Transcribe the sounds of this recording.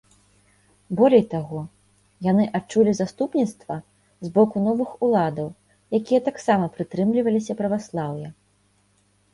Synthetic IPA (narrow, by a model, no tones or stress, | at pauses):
bɔlʲɛjt̪aɣɔ | janɨʔat͡ʂːulʲizast̪upnʲit̪st̪vɐ | zbɔkunɔvɨxulˠad̪ɐw | jakʲijɐt̪aksamɐpɾɨt̪ɾɨmlʲivɐlʲisʲɐpɾɐvaslˠawjɐ